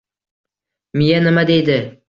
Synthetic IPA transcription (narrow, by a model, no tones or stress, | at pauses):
mijanɪmad̪ejd̪ɪ